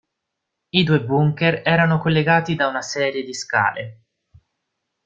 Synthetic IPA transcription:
id̪uːebuŋkeɾɛːɾanokolːeɡaːt̪id̪aunasɛːɾjed̪iska̰ːlḛ

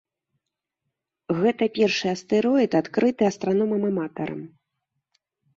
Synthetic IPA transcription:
ɣɛt̪ɐpʲɛrʂɨɐst̪ɛɾɔit̪at̪kɾɨt̪ɨɐst̪ɾanɔmɐmɐmat̪ɐɾɐ̰m

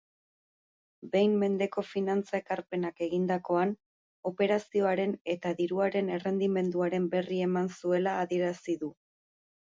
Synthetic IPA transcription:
be̞jmːe̞nd̪e̞ko̞finant͡sae̞kaɾpe̞nake̞ɣind̪ako̞an | o̞pe̞ɾasio̞aɾe̞ne̞t̪aðiɾuaɾe̞ne̞re̞nd̪ime̞nd̪uaɾe̞mbe̞rie̞mansue̞laːðie̞ɾasiðu

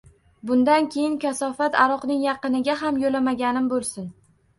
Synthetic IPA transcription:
bʊnd̪ankʲʰe̞jɪnkʲasɒfat̪aɾɒqnɪŋjɑqɨnɪɡʲaɦamjolamaɡʲanɪmbolˠsɪn

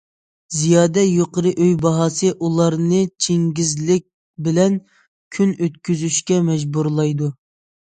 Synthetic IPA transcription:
zijɑːd̪ɛjoqəɾɨʔøjbɑɦɑsɨʔulˠɑɾnɨt͡ʃʰeŋɡʲizlɪk̚ʲ | bɪlɛn | kʲʰynøt̪kʲʰyzyʃkʲɛmɛd͡ʒbuɾlˠɑjd̪u

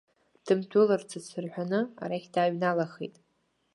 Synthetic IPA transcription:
d̥ɨmtʰʊlɨrt͡sʰɨt͡sʰɨrħʷᶣanɨa̰ɾaχʲdaɥnalaχḛjtʼ

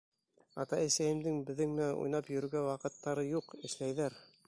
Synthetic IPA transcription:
ɑ̰t̪ɑisæjɘ̆md̪ɘŋbɘ̆ðːɘŋmæṵjnɑpjɵ̆ɾɘɡæwɑqɤ̆t̪ːɑɾɤjuqɘ̆ʃlæjðæɾ

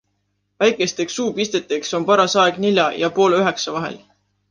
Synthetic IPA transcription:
væjkˑe̞st̪e̞ksuːpist̪et̪ːˑekso̞mpɑɾɑsɑeɡ̥nilʲjɑjɑpo̞ːlyɦe̞ksɑvɑɦḛl

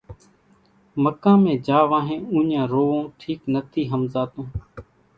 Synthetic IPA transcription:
məkãːmẽːd͡ʒaːʋãːɦẽːũːɲjãːɾoːʋõːʈʰiːknət̪ʰiːɦəmzaːt̪õː

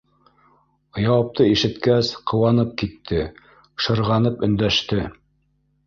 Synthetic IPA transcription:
jɑwɑp̚t̪ɤiʃɘ̆t̪kæsqʰɤ̆wɑnɤp̚kit̪ʰːɘ | ʃɤ̆ɾʁɑnɤpɵ̆nd̪æʃt̪ɘ

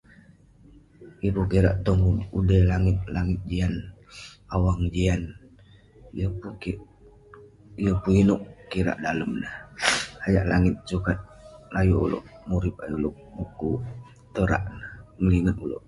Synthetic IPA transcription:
ibukiɾa̰ʔt̪ɔŋudəlaŋɪt̪̚laŋɪt̪̚d͡ʒian | awaŋd͡ʒian | jəpuki | ijəpuinoʔkiɾa̰ʔdaləmnəhajaʔlaŋɪt̪̚sukat̪̚lajuṵlo̰ʔmuɾip̚aluʔ̚ | muku | t̪əɾa̰ʔnəhməliŋət̪ulo̰ʔ

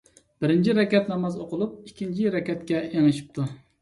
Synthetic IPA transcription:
b̥ɪɾɪnt͡ʃʰiɾɛkʲɛt̪nɑmɑzoqʰʊlˠup̚ikʲʰːint͡ʃʰiɾɛkʲɛt̪kʲɛeŋɨʃi̥p̚t̪ʰu

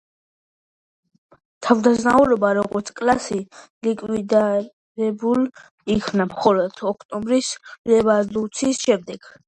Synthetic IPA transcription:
t̪ʰavd̪aznauɾɔbaɾɔɡɔɾt̪sʰkʼlasilikʼwid̪a | ɾɛbul | ikʰvnamχɔlɔd̪̥ɔkʰt̪ʼɔmbɾislɛvalut̪sʰiːsʃɛmd̪ɛɡ̥

